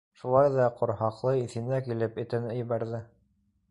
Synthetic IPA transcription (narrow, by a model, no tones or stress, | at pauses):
ʃulˠɑjðɑqŏɾhɑqlˠɤiθɘ̆nækilɘpɘ̆t̪ɘ̆nɵ̆j̆βæɾðɘ